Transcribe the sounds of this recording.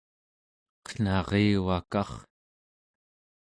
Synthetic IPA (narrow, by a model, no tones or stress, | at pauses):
qə̥n̥ɑʁeːwakɑχ